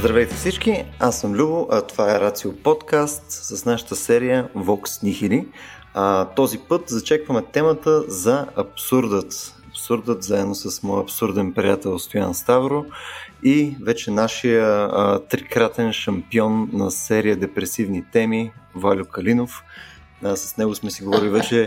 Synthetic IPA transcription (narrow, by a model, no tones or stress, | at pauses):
zd̪ɾɐvɛjt̪ɛfsit͡ʃkiasːəmlʲubʊʔɐt̪ovaɛɾat̪siopɔt̪kast̪sɐsnaʃə̥t̪əsɛɾijəvɔksnixili | t̪ɔzipɤt̪zɐt͡ʃɛkvəmɛt̪ɛmət̪əzɐɐpsuɾd̪ət̪ɐpsuɾd̪ət̪zaɛd̪nosɐsmɔjəɐpsuɾd̪ɛnpɾijat̪ɛlˠst̪oja̰nst̪avɾoivɛt͡ʃɛnaʃijət̪ɾikɾat̪ɛnʃɐmpiɔnːɐsɛɾijəd̪ɛpɾɛsivnit̪ɛmivalʲʊkɐlinof | sɐ̥snɛɡʊsmɛsiɡovɔɾilʲivɛt͡ʃɛ